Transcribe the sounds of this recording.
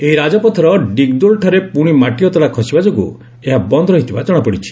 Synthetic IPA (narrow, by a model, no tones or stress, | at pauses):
eɦiɾad͡ʒɔpɔt̪ʰɔɾɔɖik̚d̪ulʈʰɔɾepuɽ̃imaʈiɔt̪ɔɽakʰɔsibad͡ʒoɡṵ | eɦabɔnd̪ɾɔɦit̪ʰibad͡ʒɔɽ̃ɔpɔɽit͡ʃʰi̥